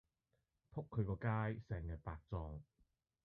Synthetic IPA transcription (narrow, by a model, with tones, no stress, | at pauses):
pʰʊ˥kʰːɵ˨˧ɥkɔː˧kaː˥jsɛː˨˩ŋjɐ˨˩t̚paː˧k̚t͡sɔː˧ŋ